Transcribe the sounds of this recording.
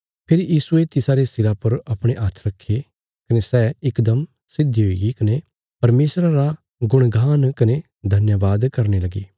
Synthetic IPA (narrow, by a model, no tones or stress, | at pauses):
pʰɪɾjiːsuet̪ɪsaɾesɪɾapɐɾɐpɽ̃eʔat̪ʰɾɐkʰːe | kɐnesɛːɪkd̪əm | sɪd̪ːiɦoiɡikɐne | pɐɾmeːsɾaɾa | ɡʊɽ̃ɡʱaːnkɐne | d̪ʱɐnjaʋaːd̪kɐɾnelɐɡḭː